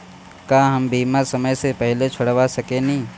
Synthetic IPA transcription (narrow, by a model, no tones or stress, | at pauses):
kaːɦɐmbiːmasɐməjsepɛɦlet͡ʃʰʊɽʋasɐkenɐɦĩː